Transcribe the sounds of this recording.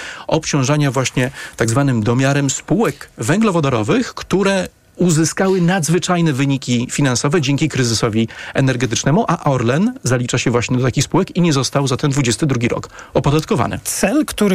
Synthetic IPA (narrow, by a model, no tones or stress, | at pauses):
ɔpt͡ɕɔ̃w̃ʐaɲavwaɕɲɛt̪aɡzvanɘmd̪ɔmʲjaɾɛmspuwɛkvɛŋɡlɔvɔd̪ɔɾɔvɘxkt̪uɾɛ | uzɘskawɘnad̪zvɘt͡ʂajnɛvɘɲikʲifʲinansɔvɛd͡ʑɛŋʲkʲikɾɘzɘsɔvʲiɛnɛɾɡɛt̪ɘt͡ʂnɛmuʔaʔɔɾlɛnzalʲit͡ʂaɕɛvwaɕɲɛd̪ɔt̪akʲixspuwɛkiɲɛzɔst̪awzat̪ɛnd̪vud͡ʑɛst̪ɘd̪ɾuɡʲiɾɔ̰kɔpɔd̪at̪̚kɔva̰nʔɘ̰t̪sɛlkt̪uɾ